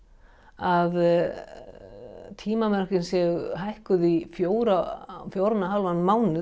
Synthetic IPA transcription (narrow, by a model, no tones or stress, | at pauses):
að | t̪ʰiːmamɛr̥cɪnsjɛɣʏɦajhkʏðifjoːwɾafjoːwɾnaɦalvanmaːwnɪ